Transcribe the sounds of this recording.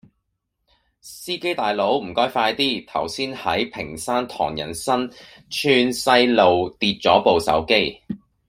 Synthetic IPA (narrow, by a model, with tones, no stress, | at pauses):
siː˥ke˥jt̪aː˨jlo˨˥wm̩˨˩kɔː˥jfaː˧jt̪iː˥t̪ʰɐ˨˩wsiː˥nhɐ˨˥jpʰɪ˨˩ŋsaː˥nt̪ʰɔ̰ː˨˩ŋjɐ̰˨˩nsɐ˥n | t͡ʃʰyː˧nsɐ˧˥jlo˨˧wt̪iː˧t̚t͡ʃɔː˨˥po˨wsɐ̰˨˥wke˥j